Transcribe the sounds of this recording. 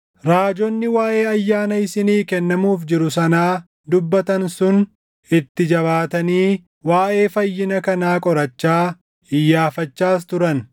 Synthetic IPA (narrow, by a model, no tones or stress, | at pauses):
ɾaːd͡ʒɔnːɪwaːʔe̞ːɐjːaːnɐɪsɪniːkɛnːɐmuːfd͡ʒɪɾʊsɐnaː | d̪ʊbːɐt̪ɐnsʊn | ɪt̪ːɪd͡ʒɐβaːt̪ɐniː | waːʔe̞ːfɐjːɪnɐkɐnaːkʼɔɾɐt͡ʃːaː | ɪjːaːfɐt͡ʃːaːs̬t̪ʊɾɐn